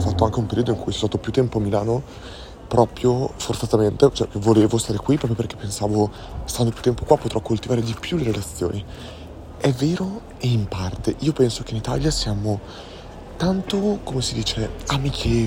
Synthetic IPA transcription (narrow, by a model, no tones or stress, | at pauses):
fat̪ːoaŋk̟eumpeɾiːod̪oiŋkujt͡ʃɛst̪aːt̪opjut̪ːɛmpoamːilaːno | pɾɔːpɾjofort̪at̪ament̪et͡ʃoɛkvoleːvost̪aːɾekwipɾɔpɾjoperk̟e̥pːensaːvo | st̪and̪opjut̪ːɛmpokwapːot̪ɾɔkːolt̪ivaːɾed̪ipjuleɾelat̪sːjo̰ːni | ɛvːeːɾo | eimpart̪eʔiːopɛnsokeinit̪a̰ljasjaːmo | t̪ant̪okomesid̪iːt͡ʃeamikʰe